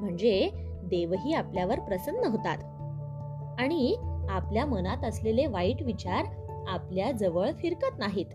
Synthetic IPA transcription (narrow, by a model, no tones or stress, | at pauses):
m̤əɳd͡ze | d̪eʋɦiːapljaʋəɾpɾəsənːəɦot̪at̪ | aɽ̃iapljamənat̪əsleleʋaiʈʋit͡ɕaɾ | apljad͡zəʋəɭfiɾkət̪naɦiːt̪